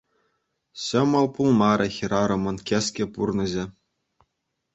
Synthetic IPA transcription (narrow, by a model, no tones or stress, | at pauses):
ɕɤ̆mɤ̆lˠpulˠmɑɾʲʔɤ̆xʲiɾɑɾɤ̆mɤ̆nkʲeskʲĕpurnɤ̆ʑĕ